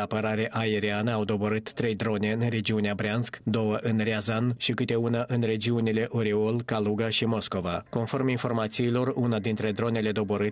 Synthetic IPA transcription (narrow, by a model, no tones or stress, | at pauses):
apəɾaɾe̞ʔaeɾianəawd̪o̞bo̞ɾɨt̪ːɾe̞jd̪ɾo̞ne̞ɨnre̞d͡ʒiuneabɾeanskd̪o̞wəʔɨnreazanʃikɨt̪e̞unaʔɨnre̞d͡ʒiunile̞ʔoɾiolkaluɡaʃimo̞sko̞vako̞nfo̞rminfo̞rmat̪siːlo̞runad̪int̪ɾe̞d̪ɾo̞ne̞le̞d̪o̞bo̞ɾɨt̪